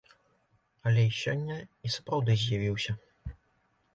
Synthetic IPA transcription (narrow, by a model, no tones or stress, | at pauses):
ɐlʲɛisʲɔnʲːɐisu̥pɾawd̪ɨzʲjavʲiwsʲɐ